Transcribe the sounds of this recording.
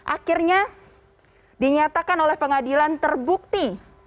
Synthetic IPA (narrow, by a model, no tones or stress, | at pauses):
ʔakirɲa | diɲat̪akanolɛhpəŋadilant̪ərbuk̚t̪i